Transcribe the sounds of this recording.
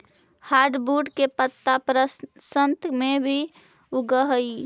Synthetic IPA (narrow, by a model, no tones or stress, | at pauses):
haːɾɖbuɖkepət̪ːapɾəsənt̪mebʱi | uɡəɦəi